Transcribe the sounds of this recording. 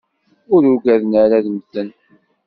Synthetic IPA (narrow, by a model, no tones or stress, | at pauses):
ʊɾʊɡæðnəɾæðməθːən